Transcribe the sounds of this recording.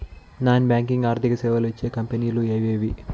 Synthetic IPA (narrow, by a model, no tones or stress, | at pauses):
naːnbʲaːŋk̬iŋɡaːɾt̪ʰikɐsɛːʋɐluʋit͡ʃːe̞ːkɐmpʲeniːlueːʋeːʋi